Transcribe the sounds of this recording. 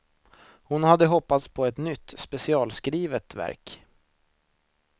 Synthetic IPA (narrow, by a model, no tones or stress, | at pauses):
hʊnhad̪ːəɦɔpːat̪spʰɔɛt̪nʏt̪ːspɛsɪɑːlskɾiːvət̪væ̰ɾk